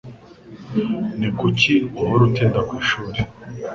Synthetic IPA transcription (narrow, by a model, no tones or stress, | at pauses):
nikuciuβoɾutiːndakwiːʃuːɾe